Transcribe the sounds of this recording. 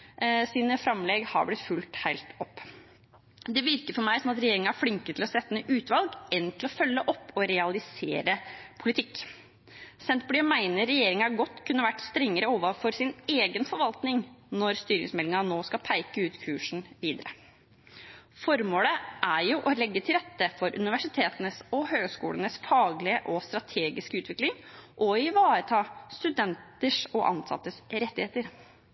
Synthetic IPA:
siːnəfɾɑmlɛɡhɑ̰ɾblɪt̪fʉlt̪hæɪlt̪ɔpː | d̪ɛʋɪɾkəɾfɔɾmæɪsɔmɑt̪ɾɛjeːɾɪŋɑæfɽɪŋkət̪ʰɪlɔsɛt̪ːənəʔʉːt̪ʋɑlɡɛnt̪ʰɪlɔfœlːəʔɔpːɔɾɛɑlɪseːɾəpʰʊlɪt̪ʰɪkː | sɛnt̪bɽɪːɔmæɪnəɾɛjeːɾɪŋæɾɡɔt̪ːkʰʉnːəʋæʈːst̪ɾɛŋːəɾəoːʋəfɔɾsɪneːɡənfɔɾʋɑlt̪nɪŋnɔɾst̪yːɾɪ̰ŋsmɛlːɪŋɑnoːskɑpʰæɪkəʉːt̪kʰʉːʂn̩ʋiːd̪əɾə̰ | fɔɾmoːləʔæɾjʊʔɔlɛɡːət̪ʰɪlɾɛt̪ːəfɔɾʔʉ̰nɪʋæʂɪt̪ʰeːt̪ənəsɔhøːɡskṵːlənəsfɑːɡlɪəʔɔst̪ɾɑt̪ʰeːɡɪskəʉːt̪ʰʋɪklɪŋʔɔɪʋɑːɾət̪ʰɑːst̪ʉd̪ɛnt̪əʂɔʔɑ̰nsɑ̰t̪ːəsɾɛt̪ːɪheːt̪əɾ

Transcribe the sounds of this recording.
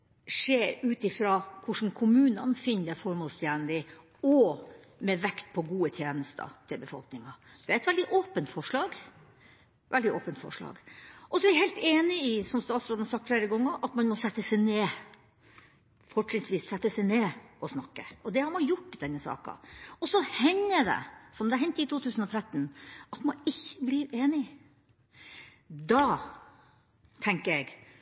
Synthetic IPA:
ʂeːɾʉːt̪ɪfɾɑːkʰʊʂn̩kʰʊmʉːnənfɪnd̪əfɔɾmoːlst̪ʰjæːnlɪ | ɔ | mɛʋɛkt̪̚pʰɔɡuːət̪ʰjeːnəst̪ʰə̰t̪ʰɪlbəfɔ̰lknɪŋɑd̪̥ɛæɾɛt̪ʋɛld̪ɪʔoːpənt̪fɔʂɭɑːɡ | ʋɛld̪ɪʔo̰ːpənt̪fɔ̰ʂɭɑ̰ːɡʔɔsɔʋɪɾhɛɪlt̪eːnɪɪsɔmst̪ɑːt̪sɾɑːd̪nhɑsɑkt̪fleːɾəɡɔŋːəɾʔɑt̪mɑnmɔsɛt̪ːəsɛɪneː | fɔʈɪŋsʋiːsːɛt̪ːəsɛɪneːɔsnɑkːəʔɔd̪ɛhɑɾmɑnjʊʈːd̪ɛnːəsɑ̰ːkɑ̰ɔsɔhɛɲːəɖ̪ɛ̰sɔmd̪ɛæɾɦɛnt̪ːəɪt̪ʰuːt̪ʰʉːsən̩ɔt̪ʰɾɛt̪ːnɑt̪mɑnɪçːəbliːɾeːnɪ | d̪ɑ | t̪ʰɛŋkəɾɛɡ

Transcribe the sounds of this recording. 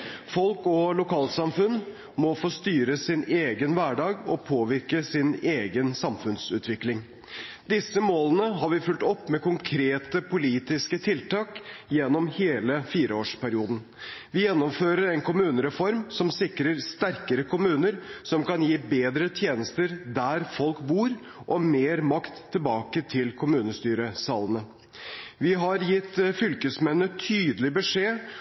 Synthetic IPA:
fɔlkɔlʊkɑːlt̪sɑmfʉnː | mɔfoːst̪yːɾəsɪneːɡənʋæɖɑːɡɔpʰoːʋɪɾkəsɪneːɡənsɑmfʉnsʉ̰ːt̪ʋɪklɪŋ | d̪ɪsːəmoːlənəɦɑɾʋɪfʉlt̪ɔpːmɛkʊŋkʰɾeːt̪əpʰʊliːt̪ɪskət̪ʰɪlt̪ɑːkjɛnːɔmheːləfiːɾəoːʂpæɾɪuːd̪n̩ | ʋɪjɛnːɔmføːɾəɾɛnkʊmʉːnəɾɛfɔɾmsɔmsɪkɾəɾst̪æɾkəɾəkʰʊmʉːnəɾsɔmkɑnjiːbeːd̪ɾət̪ʰjeːnəst̪əɾd̪æɾfɔlkbuːɾ | ʔɔmeːɾmɑkt̪ʰːɪlbɑːkət̪ʰɪlkʰʊmʉːnəst̪yːɾəsɑːlənə | ʋɪɦɑɾjɪt̪ːfʏlkəsmɛnːət̪ʰyːd̪əlɪbəʂeː

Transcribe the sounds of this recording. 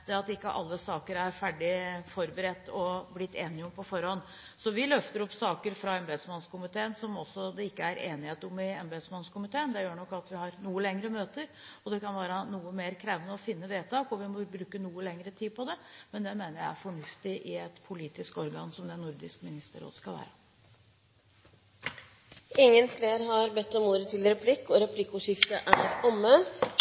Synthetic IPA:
d̪ɛɑt̪ɪkːə̰ʔɑ̰lːəsɑːkəɾæɾfæɖɪfɔɾbəɾɛt̪ːɔblɪt̪ːeːnɪɔmpʰɔfɔɾhɔnː | sɔʋɪlœft̪əɾɔpːsɑːkəɾfɾɑɛmbɛd̪smɑnskʊmɪt̪ʰeːənsɔmɔsːɔd̪ɛɪkːəæɾʔeːnɪheːt̪ʊmːɪɛmbɛsmɑnskʊmɪt̪ʰeːənd̪ɛjøːɳɔkːɑt̪ʋɪhɑɾnuːəlɛŋɾəmøːt̪əɾ | ɔd̪ɛkɑnʋæːɾɑnuːəmeːɾkʰɾɛʋənəɔfɪnːəʋeːt̪ʰɑːkɔʋɪmɔbɾʉːkənuːəlɛŋɾət̪ʰiːd̪pʰɔd̪ɛmɛnd̪ɛmeːnəɾjæɪæ̰ɾfɔɳʉft̪ɪʔɪɛt̪pʰʊliːt̪ɪskɔɾɡɑːnsɔmd̪ɛnʊɾd̪ɪskmɪnɪst̪ə̰ɾo̰ːd̪skɑlʋæ̰ːɾə | ɪŋːənfleːɾhɑɾbɛt̪ːɔmuːɾət̪ʰɪlɾɛpʰlɪkːɔɾɛpʰlɪkːʊʂɪft̪əʔæɾɔmːə

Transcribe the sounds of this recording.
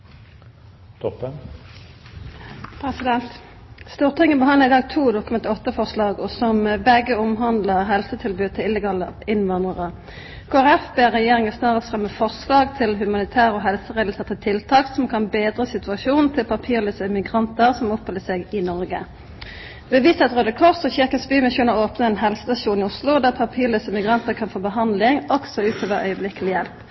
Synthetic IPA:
t̪ʰɔpːə | pʰɾɛsɪd̪ɛnt̪ | st̪uːʁt̪ʰɪŋənbəɦɑnd̪ʁɪd̪ɑːɡ̚t̪ʰuːd̪ʊkʉmɛnt̪ɪɔt̪ːəfɔʁslɑːɡɔsɔmbɛɡəɔmɦɑnd̪ləʁɦɛlsət̪ʰɪlbʉːd̪̚t̪ʰɪɪlːəɡɑːləɪnʋɑnd̪ʁəʁə | kʰoːæʁɛfbeːʁɛjeːʁɪŋəsnɑːʁəst̪ʁɛmːəfɔʁslɑːɡt̪ʰɪlɦʉmɑnɪt̪ʰæːʁəɔɦɛlsəʁeːd̪lsɛt̪ːət̪ʰɪlt̪ʰɑːksɔmkʰɑnbeːd̪ʁəsɪt̪ʉɑʃuːnn̩t̪ʰɪlpʰɑpʰiːʁlyːsəmɪɡʁɑnt̪əʁsɔmɔpʰːɔləseːɡɪnɔʁɡə | bəʋiːsɑt̪ʁøːd̪əkʰɔʁsɔçɪʁkɑsbyːmɪsuːnəʁoːpnəɛnɦɛlsə̥sɑʃuːnɪʊslʊd̪æːʁpʰɑpʰiːʁlyːsəmɪɡʁɑnt̪əʁkʰɑnfoːbəɦɑnd̪lɪŋɔksɔʉːt̪ʰoːʋəʁʔœ̰ʏəblɪkəlɪjɛlp

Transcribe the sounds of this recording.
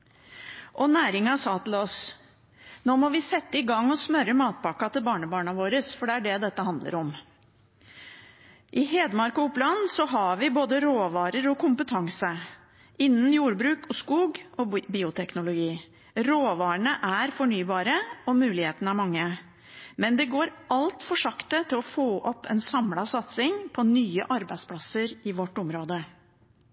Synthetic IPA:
ʔɔnæːɾɪŋɑsɑːt̪ʰɪlɔs | noːmɔʋɪsɛt̪ːəɪɡɑŋːɔsmœɾəmɑːt̪̚bɑkɑt̪ɪlbɑːɳəbɑːɳɑʋoːɾəsfɔɖɛæɖɛd̪ɛt̪ːəɦɑnd̪lə̰ɾɔm | ʔɪɦeːd̪mɑɾkʊʊplɑnsɔɦɑʋɪboːd̪əɾoːʋɑːɾəɾɔkʰʊmpət̪ʰɑŋsə | ɪnːnjuːɾbɾʉːkɔskuːɡɔbiːʊt̪ʰɛknʊlʊɡiː | ɾoːʋɑːəɳəʔæɾfɔɳyːbɑːɾəɔmʉːlɪheːt̪ənəæɾmɑŋːə | mɛnd̪ɛɡoːɾʔɑlt̪fɔʂɑkt̪ət̪ʰɪlɔfoːʔɔpːʰɛnsɑmlɑʋsɑt̪sɪŋpʰɔnyːə̰ʔɑɾbæɪspʰlɑsəɾɪʋɔʈːʊmɾoːd̪ə

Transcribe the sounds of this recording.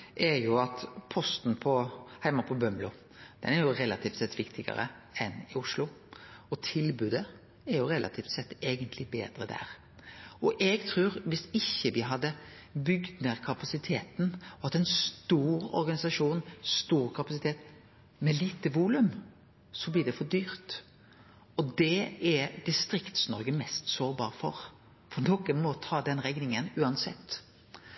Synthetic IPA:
ʔɛɾjʊɑt̪pʰɔst̪n̩pʰɔhæɪmɑpʰɔbœmlʊ | d̪̥ɛ̰næɾjʊɾɛlɑt̪ʰiːft̪sɛt̪ːʋɪkt̪ʰɪɡə̰ɾə̰ | ɛnɪʊʂlʊ | ɔt̪ʰɪlbʉːd̪ə | ɛɾjʊɾɛlʔɑ̰t̪ʰiːft̪sɛt̪ːeːɡənt̪ʰlɪbeːd̪ɾəd̪æ̰ːɾ | ɔʔɛɡt̪ʰɾʉːɾʋɪsɪçːəʋɪɦɑd̪ːə | bʏɡd̪neɾkʰɑpɑsɪt̪ʰeːt̪nɑt̪ɛnst̪uːɾɔ̰ɾɡɑnɪsɑʂuːnst̪uːɾkʰɑpɑsɪt̪ʰeːt̪ | mɛliːt̪əʋuːlʉm | sɔbliːd̪ɛfɔɾd̪yːɾt̪ | ɔd̪ɛɛd̪ɪst̪ɾɪkt̪snɔ̰ɾɡəmɛst̪soːɾbɑ̰ːɾfɔ̰ɾ | fɔnɔkəmɔt̪ʰɑːd̪ɛnɾɛɡnɪŋənʉːɑnsɛ̰t̪ː

